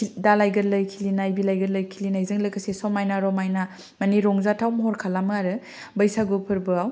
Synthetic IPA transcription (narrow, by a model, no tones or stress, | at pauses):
dalajɡɐɾlɐjkʰilinajbilajɡɐɾləjkʰilinajzɯŋləkasesɔmajnaɾɔmajna | mɐniɾɔŋzatʰawmɔɦɔɾkʰalamaɾɯ | bɐjsaɡɯpʰɯɾbɯaw